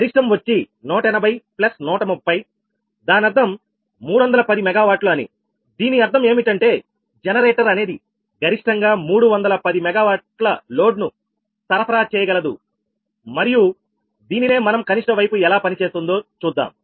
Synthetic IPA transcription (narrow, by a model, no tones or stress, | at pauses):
ɡɐɾiʂʈɐmʋɐt͡ʃːi | nɔːʈɐɛnɐbʱɐjplɐsnɔːʈɐmupːɐj | d̪aːnɐɾd̪ʰʱɐmː | uːɽuʋɐnd̪ɐlɐpɐd̪imɛɡaːʋaːʈluɐnḭ | d̪iːniɐɾt̪ʰɐme̞ːmiʈɐɳʈe̞ː | d͡ʒɛnɐɾeːʈɐɾɐne̞ːd̪i | ɡɐɾiʂʈɐŋɡaːmuːɽuʋɐnd̪ɐlɐpɐd̪imɛɡaːʋaːʈlɐlo̞ːɖnu | sɐɾɐpʰɐɾaːt͡ʃɛːjɐɡɐlɐd̪ṵ | mɐɾiju | d̪iːnine̞ːmɐnɐmkɐniʂʈɐʋɐjpuɛlaːpɐnit͡ʃeːst̪und̪o̞ːt͡ʃuːd̪ːa̰ːm